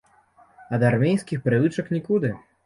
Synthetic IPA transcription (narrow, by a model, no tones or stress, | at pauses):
ɐd̪armʲejskʲixpɾɨvɨt͡ʂɐknʲikud̪ɨ